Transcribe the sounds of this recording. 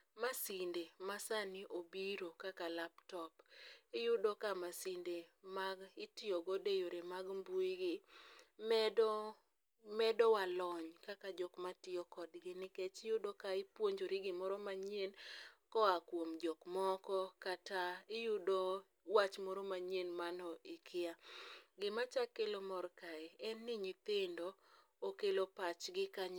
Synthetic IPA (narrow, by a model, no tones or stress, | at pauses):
masindemasaniʔobiɾokakalaptɔpɪjʊdokamasindemaɡɪtɪoɡodejoɾemaɡmbuiɡɪmɛd | mɛdɔwalɔɲkakad͡ʒɔkmatɪɔkɔdɡɪnɪket͡ʃɪjʊdokaɪpwoɲd͡ʒoɾiɡɪmɔɾɔmaɲenkɔakwomd͡ʒɔkmɔkɔkataɪjʊdo | wat͡ʃmɔɾomaɲenmanɔʔɪkʰɪaɡɪmat͡ʃakːelomɔrkaɛɛnːɪɲit̪endoː | kelopat͡ʃɡɪkaɲ